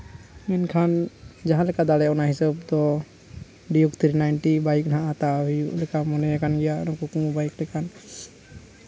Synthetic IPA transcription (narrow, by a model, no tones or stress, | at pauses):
mɛnkʰand͡ʒaɦãlɛkad̪alɛɔnaɦisəb̚t̪ɔ | ɖijukt̪ʰɾinajnʈibajknɦãʔat̪aɦijuʔlɛkamɔnɛɛkanɡɛjanɔ̃kukubaiklɛkan